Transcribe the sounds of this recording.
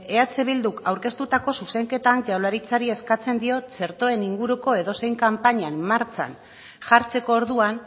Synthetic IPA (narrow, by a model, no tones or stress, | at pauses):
e̞at͡seβild̪ukawɾke̞st̪ut̪ako̞suse̞ŋke̞t̪anʝawlaɾit͡saɾie̞skat͡se̞nd̪io̞t͡se̞ɾt̪o̞e̞niŋɡuɾuko̞e̞ðo̞se̞jŋkampaɲanːaɾt͡sa̰n | ʝaɾt͡se̞ko̞ːɾðuan